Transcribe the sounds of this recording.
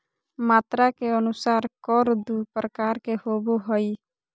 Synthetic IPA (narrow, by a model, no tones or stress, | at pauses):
maːt̪ɾakeənusaːɾkɔɾd̪upɾəkaːɾkehoboɦɔi